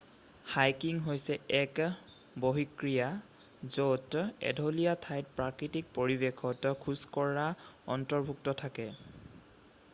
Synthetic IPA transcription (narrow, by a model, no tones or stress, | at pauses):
hajkiŋɦojsɛɛk | boɦikɹija | zotɛ̰dʱolijatʰajt̚pɹakɹitik̚poɹibekʰɔtkʰuskɔɹaɔntɔɹbʱuk̚tɔtʰakɛ